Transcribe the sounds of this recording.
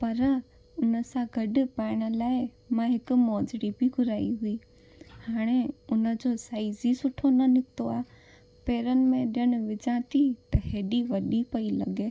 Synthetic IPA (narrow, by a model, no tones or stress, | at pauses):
pɐɾ | ʊnəsãɡʱɐɗʊ̆paːɪɽ̃ə̆laːɪ | mãɦɪkʊ̆mɔːd͡ʑɽibiɡʊɾaːiɦʊiː | haːɽ̃eʊnə̆d͡ʑosaːizisʊʈʰonɐnɪkt̪oaː | peːɾənɪ̆mẽɗjəɽ̃ʊ̆ʋɪd͡ʑãt̪ʰit̪ɐɦeːɗiʋɐɗipɐilɐ̰ɡeː